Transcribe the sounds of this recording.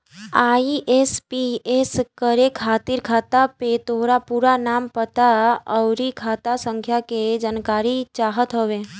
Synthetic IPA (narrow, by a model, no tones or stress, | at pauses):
aːiʔespieskəɾekʰaːt̪iɾkʰaːt̪apet̪oɦɾapuːɾanaːmpət̪aəwɾikʰaːt̪asə̃ŋkʰjaked͡ʒankaːɾit͡ʃaːɦət̪ɦoʋẽ